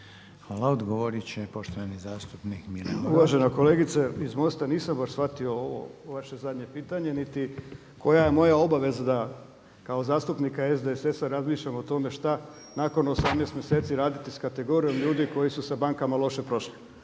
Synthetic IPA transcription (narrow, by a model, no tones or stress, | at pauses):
xʋaːlaod̪ɡoʋoɾit͡ɕepoʃt̪oʋanizaːst̪upnikmilḛuʋaʒe̞noko̞leːɡit̪seizmo̞st̪aniːsambaʃsfat̪io̞oʋo̞̰ʋaʃe̞zad̪ɲe̞piːt̪aɲe̞nit̪i | ko̞jajemo̞jao̞baʋe̞zad̪a | kao̞zaːst̪upnikaezd̪eesesaɾazmiːʃʎamot̪o̞me̞ʃt̪a | nako̞nosamneːst̪mjeseːt̪siɾaːd̪it̪iskat̪e̞ɡo̞ːɾijo̞mʎuːd̪iko̞jisusabaŋkamalˠo̞ʃe̞pɾo̞ʃli